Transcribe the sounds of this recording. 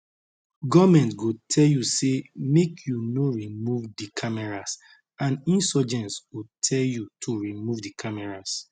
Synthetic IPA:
ɡɔmɛ̃ntɡotʰɛljusemekʰjunoɹimuvdikʰamɛɹas | ãnĩnsɔd͡ʒɛ̃nswutʰɛljutʰuɹimuvdikʰamɛɹas

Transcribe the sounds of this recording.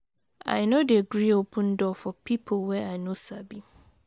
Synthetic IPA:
a̰ɪnodeɡɹiopʰə̃ndɔfɔpʰipʰolwɛaɪnosabi

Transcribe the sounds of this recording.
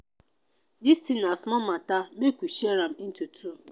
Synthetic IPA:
distinasmɔmatamekuʃieɾam̩n̩tutu

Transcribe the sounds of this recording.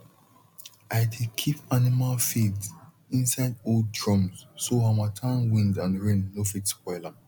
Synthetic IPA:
ʔaɪdekʰipanimalfidz | ĩnsaɪdold̚dɹɔ̃mssoɦamatʰãnwĩndãnɹẽnːofitskɔɪla

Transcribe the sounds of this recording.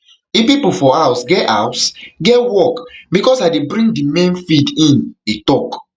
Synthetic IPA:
ifpipufɔawsɡɛtawsɡɛwɔkbikɔsaɪdebɹĩŋɡdimẽnfidĩnetɔk

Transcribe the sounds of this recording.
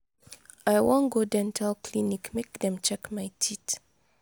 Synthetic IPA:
ʔajwɔ̃nɡodɛ̃ntʰalkʰlinikmekdɛ̃mt͡ʃɛkmajtʰit

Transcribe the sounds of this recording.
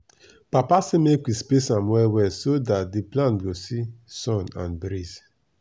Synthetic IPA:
papasemekʷispesamwɛwɛsodat̚diplãntɡosisɔ̃nã̰nbɾiz

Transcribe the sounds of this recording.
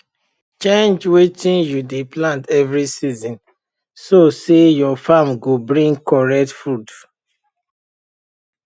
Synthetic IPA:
t͡ʃẽnd͡ʒwetĩnjudeplãntɛvɹisizĩn | sosejɔfamɡobɹĩŋɡkɔɹɛk̚tfud

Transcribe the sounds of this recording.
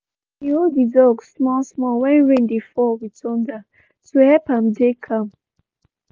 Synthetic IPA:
ihoidɔɡsmɔsmɔlwɛ̃nɹẽndifɔwitʰɔ̃nda | tuhɛpãmdekʰãm

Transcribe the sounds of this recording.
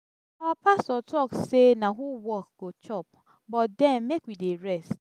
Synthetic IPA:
ɔpʰastɔtʰɔksenãɦuwɔk̚ɡ̥ot͡ʃʰɔp̚ | bɔt̚dɛ̃nmekwideɹɛst

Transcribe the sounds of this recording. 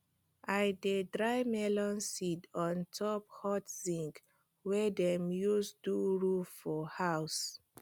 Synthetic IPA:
ʔajdedɹajmɛlɔ̃nsidɔ̃ntʰɔp̚hɔtzĩŋk | wɛdɛ̃mjusduɹuffɔhaʊs

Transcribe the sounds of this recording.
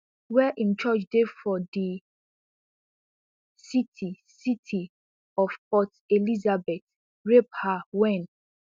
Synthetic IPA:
wɛʔĩmt͡ʃɔt͡ʃdefɔdi | sitʰi | sitʰi | ɔfpɔt | elizabɛt | ɹep̚hawɛ̃n

